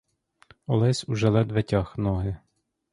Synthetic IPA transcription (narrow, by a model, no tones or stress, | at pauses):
ɔlˠɛsʲuʒɛlˠɛd̪ʋɛtʲɑxnɔɦɪ